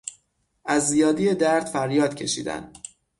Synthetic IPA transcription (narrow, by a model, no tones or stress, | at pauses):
ʔæzːijɒːd̪ijed̪æɾd̪̥fæɾjɒːd̪̥cʰe̞ʃḭːd̪æ̰n